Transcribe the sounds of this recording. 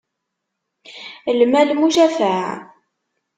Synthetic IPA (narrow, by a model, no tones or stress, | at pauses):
lmælmuʒæfaʕ